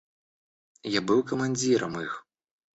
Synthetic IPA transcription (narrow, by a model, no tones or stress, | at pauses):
jabɨwkɐmanʲd͡zʲiɾɐmix